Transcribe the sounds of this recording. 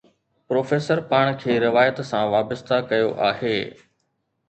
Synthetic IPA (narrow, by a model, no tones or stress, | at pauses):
pɾoːfeːsəɾpaːɽ̃kʰeːɾɪʋaːjət̪sãʋaːbəst̪ʰakɐjo̰ʔaːɦeː